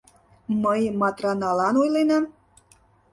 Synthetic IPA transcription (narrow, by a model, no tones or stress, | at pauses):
məjmɑt̪rɑnɑlɑnojlenɑ